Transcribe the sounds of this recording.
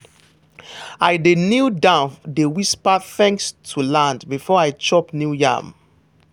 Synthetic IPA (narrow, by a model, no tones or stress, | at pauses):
aɪdenildãdewispaθɛ̃ŋkstʰulãndbifɔaɪt͡ʃɔpnjujã̰m